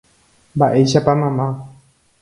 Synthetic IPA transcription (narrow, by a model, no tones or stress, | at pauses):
mbaʔe̞jʃapamãmã